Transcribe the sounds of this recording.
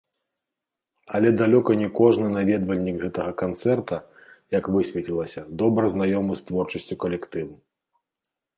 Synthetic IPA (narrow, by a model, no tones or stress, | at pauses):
ɐlʲɛd̪alʲɔkɐnʲɛkɔʐnɨnavʲɛd̪vɐlʲːikɣɛt̪ɐɣɐkant̪sɛrt̪ɐjɐkvɨsʲvʲɛt̪ʲilˠɐsʲɐd̪ɔbɾɐznajɔmɨst̪vɔrt͡ʂɐsʲt͡sʲukɐlʲɛkt̪ɨvu